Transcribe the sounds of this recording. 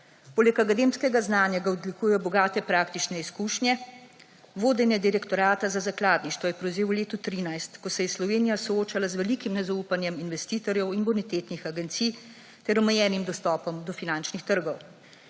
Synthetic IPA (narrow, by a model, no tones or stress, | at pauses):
poːlɛkakad̪eːmskɛɡaznaːnjaɡaɔd̪likujɛjɔbɔɡaːt̪ɛpɾaːk̚t̪it͡ʃnɛiskuːʃnʲjɛ | ʋoːd̪ɛnjɛd̪iɾɛkt̪ɔɾaːt̪azazaklaːd̪niʃt̪ʋɔjɛpɾɛwzeːwwleːt̪ut̪ɾiːnajst̪kɔsɛjɛslɔʋeːnijasɔoːt͡ʃalazʋɛlikimnɛzauːpanjɛminʋɛst̪iːt̪ɔɾjɛwinbɔnit̪eːt̪nixaɡɛnt̪sij | t̪ɛɾɔmɛjɛːnimd̪ɔst̪ɔːpɔmd̪ɔfinant͡ʃnixt̪əɾɡɔw